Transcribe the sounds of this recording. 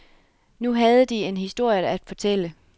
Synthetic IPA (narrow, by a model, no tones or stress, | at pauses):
nuɦæð̞ˠəd̥ie̝nɦisd̥o̝ɐ̰jəæd̥fɒ̽t͡sʰel̰ə